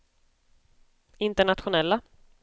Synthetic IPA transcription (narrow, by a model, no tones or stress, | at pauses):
ɪnt̪əɳat̪ɧʊnɛlːa